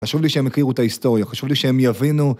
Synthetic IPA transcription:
χaʃuvliʃeemekʁiʁuet̪aist̪o̞ʁjaχaʃuvliʃehemjavinu

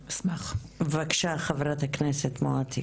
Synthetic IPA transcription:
smaχvakʃaχavɾathaknesetmoat̪ʰi

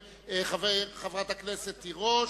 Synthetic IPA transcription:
eχaveχavʁat̪hakneset̪ːiʁo

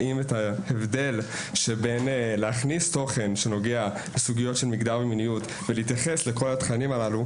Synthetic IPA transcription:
ʔimetaevde̞l | ʃebe̞nleaχnisto̞χe̞nʃe̞no̞ɡea | lesuɡijo̞tʃe̞lmikdaʁveminijut | veliːtjaχe̞sle̞ko̞latχanimalalu

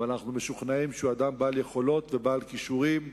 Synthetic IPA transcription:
anaχnumeʃuχnaimʃuad̪ambaːlje̞χo̞lo̞t̪ve̞baːlkiʃuʁim

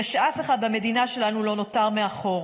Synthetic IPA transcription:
ʃeʔafeχad̪bame̞d̪inaʃe̞lanulo̞no̞taʁmeaχo̞ʁ

